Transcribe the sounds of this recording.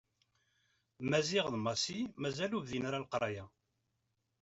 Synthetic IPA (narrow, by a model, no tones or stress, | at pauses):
mæziʁðmɑsimæzæluvðinaɾalqɾˤɑja